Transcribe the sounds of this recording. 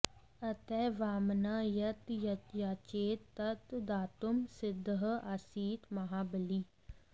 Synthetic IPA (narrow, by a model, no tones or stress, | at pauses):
ət̪ɛːʋaːmnaːjət̪jət̪jaːt͡ʃeːt̪ːət̪d̪aːt̪ʊmsɪd̪ɦasiːt̪mɐɦaːbəliː